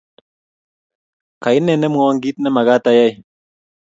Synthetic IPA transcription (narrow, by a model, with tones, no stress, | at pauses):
ka˨i˦nːɛ˨nə˦m˨o˦wa˦ŋɡi˦t̪̚nə˦ma˨ɡa˦t̪a˦ja˦j